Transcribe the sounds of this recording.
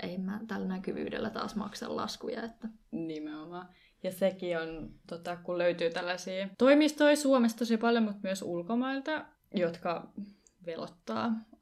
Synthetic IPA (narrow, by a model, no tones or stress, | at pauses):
ʔeimːæt̪ælːnækyʋy̰ːdḛlːæt̪ɑ̰ːsmɑ̰ksɑ̰llɑ̰skujɑ̰et̪ːæ | nimeomɑː | jɑsekiont̪ot̪ɑkulløyt̪yːt̪ælːæsiːt̪oimist̪oisuomest̪osipɑljomut̪myøsulkomɑilt̪ɑ | jot̪kɑ | ʋelot̪ːɑ̰ː